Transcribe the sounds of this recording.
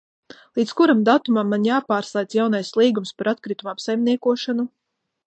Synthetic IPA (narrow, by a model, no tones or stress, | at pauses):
lˠit̪skuɾamd̪at̪umamːanjaːpaːɾslˠajd̪sjawnajslˠiːɡumspaɾat̪kɾit̪umapsajmniɛkuɔʃanu